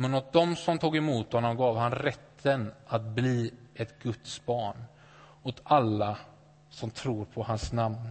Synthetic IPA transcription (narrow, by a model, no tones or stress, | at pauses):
mɛnɔt̪̚d̪ɔmsɔmt̪ʰuːɡɛmuːt̪hɔnːɔmɡɑːvhanɾɛt̪ʰːənat̪̚bliːɛt̪ɡ̥ɵt̪sbɑːɳ | ɔt̪alːa | sɔmt̪ʰɾuːɾpʰɔhansnamn